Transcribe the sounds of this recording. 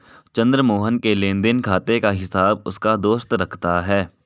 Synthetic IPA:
t͡ʃɐ̃nd̪ɾəmoːɦənkelẽːnd̪ɪnkʰaːt̪ekaɦɪsaːb̚ʊskad̪oːst̪ɾɐkʰt̪aɦɛː

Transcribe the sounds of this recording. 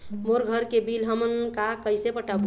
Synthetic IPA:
moɾɡʱəɾkebilɦəmənkakəjsepəʈab

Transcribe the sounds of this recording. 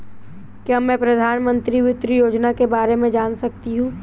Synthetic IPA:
kamːɛ̃ːpɾɐd̪ʱaːnmə̃nt̪ɾiʋɪt̪ɾəjoːd͡ʒnakebaːɾemẽd͡ʒaːnsɐk̚t̪iɦũː

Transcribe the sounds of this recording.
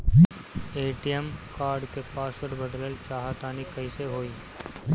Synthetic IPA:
eːʈijəmkaːɾɖkepaːsəɽbəd̪ləlt͡ʃaːɦat̪aːnikɐiseɦoːiː

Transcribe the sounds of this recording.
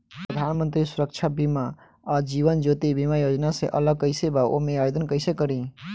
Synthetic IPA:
pɾəd̪ʱanmənt̪ɾisuɾək̚t͡ʃʰabima | ɔɾd͡ʒiβənd͡ʒot̪ibimajod͡ʒnaseʔə̰ləɡ̚kəɪsebao̰meajd̪ənkəɪsekəɾi

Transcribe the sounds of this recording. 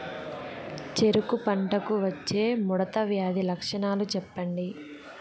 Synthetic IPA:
t͡ʃeɾukupɐɳʈɐkuʋɐt͡ʃːe̞ːmuɽɐt̪ɐʋjaːd̪ilɐkʂɐɳaːlut͡ʃɛpːɐɳɖi

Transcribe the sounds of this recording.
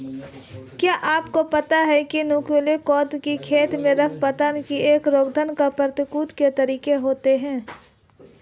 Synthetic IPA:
kjaːʔaːpkopɐt̪aɦɛkinuːkuːlekɔːt̪kikʰeːt̪mẽɾɐkʰpɐt̪ankieːkɾoːɡ̚d̪ʱənkapəɾt̪ɪkuːt̪ket̪ɐɾiːkeɦoːt̪eɦɛ̃ː

